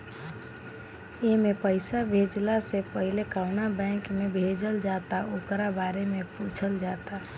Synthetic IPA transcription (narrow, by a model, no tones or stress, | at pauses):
emepəɪsabʱed͡ʒlasepəɦilekaʊnabɛ̃kmebʱed͡ʒəld͡ʒat̪aokɾabaːɾemeput͡ʃʰəld͡ʒat̪a